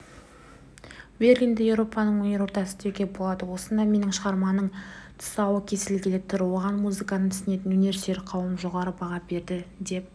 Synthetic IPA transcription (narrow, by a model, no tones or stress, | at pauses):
ve̞rlʲind̪ɪje̞wɾo̞pɑnəɴwɵne̞ɾwo̞ɾt̪ɑsət̪ʰekʲe̞bo̞lˠɑd̪əwo̞sənd̪ɑme̞nɪŋʃəʁɑɾmɑnəɴt̪ʰsɑwəkʲʰe̞sɪlɡʲɪlɪt̪ʰːʊɾwo̞ʁɑnmuzɨkanət̪ʰʏ̥sɪne̞t̪ɪnɵne̞ɾst̪e̞ɾɪqʰɑwəmʒo̞ʁɑɾəbɑʁɑbe̞ɾd̪ɪd̪e̞p̚